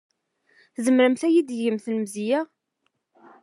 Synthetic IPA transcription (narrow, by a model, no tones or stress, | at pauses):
θzəmɾəmθæjid̪jəmθləmzijæ